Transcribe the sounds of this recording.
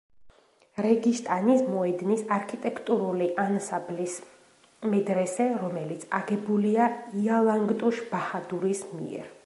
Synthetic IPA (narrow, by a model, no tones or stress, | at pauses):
ɾɛɡiʃt̪ʼanismɔɛd̪nisaɾkʰit̪ʼɛkʰt̪ʼuɾuliʔansablis | mɛd̪ɾɛsɛɾɔmɛlit̪sʰaɡɛbuliaialˠaŋɡt̪ʼuʃb̥ahad̪uɾismḭɛ̰ɾ